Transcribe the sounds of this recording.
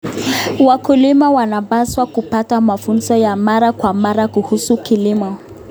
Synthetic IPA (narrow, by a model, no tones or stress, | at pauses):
wakulimawanabaswakupatamafunzɔjamaɾakwamaɾakuhusukilimɔ